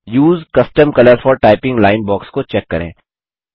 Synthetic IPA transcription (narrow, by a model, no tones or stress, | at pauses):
juːzkɐsʈəmkɐləɾfɔːɾʈaːɪpɪ̃ŋɡlaːɪnbɔːkskot͡ʃɛkːɐɾḛ̃ː